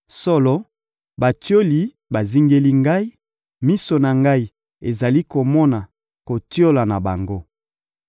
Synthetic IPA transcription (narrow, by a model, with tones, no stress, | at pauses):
sɔ˦lɔ˦ | ba˨tjo˦li˨ | ba˨zi˦ŋɡe˦li˦ŋɡa˦i˦ | mi˦so˨na˨ŋɡa˦i˨ | e˨za˨li˦ko˨mɔ˦na˨ | ko˨ti˦o˦la˨na˨ba˨ŋɡo˦